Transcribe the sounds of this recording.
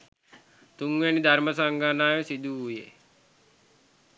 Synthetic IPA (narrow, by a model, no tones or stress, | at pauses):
t̪uŋʋenid̪ʱɐɾməsaŋɡʱanaːjosid̪ʱuɦujḛ